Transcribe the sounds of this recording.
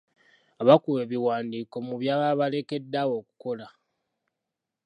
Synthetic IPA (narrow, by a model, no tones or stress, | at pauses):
aβakuwe̞βiwaːndiːko̞muβjaːβaβale̞ke̞dːawo̞ku̥ko̞la